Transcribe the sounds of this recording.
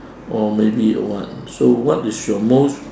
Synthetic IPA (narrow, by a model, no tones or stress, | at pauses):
ɔmebiɔ̰wɔ̰tsowɔtɪsjɔmost